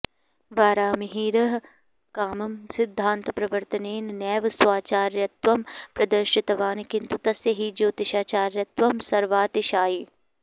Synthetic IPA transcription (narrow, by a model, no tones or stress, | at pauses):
ʋaːɾaːmɪɦiːɾɐɦ | kaːmɐmsɪd̪ʱːãːnt̪pɾɐʋəɾt̪ʰəneːnnɛːʋswaːt͡ʃaːɾjɐt̪ʋɐmpɾɐd̪əɾʃɪt̪ɐʋaːnkɪnt̪ut̪ɐsɐɦid͡ʒoːt̪ɪʃaːt͡ʃaːɾjɐt̪ʋɐmsɐɾʋaːt̪ɪʃaːi